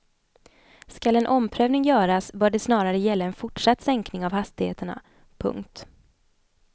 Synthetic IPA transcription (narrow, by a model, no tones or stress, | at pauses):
skalɛnʔɔmpʰɾøːvnɪŋjœːɾasbœːɖɛsnɑːɾaɾəjɛlːaɛnfʊʈʂat̪ːsɛŋknɪŋavhast̪ɪhḛːt̪əɳa̰ | pʰɵ̰ŋkt̪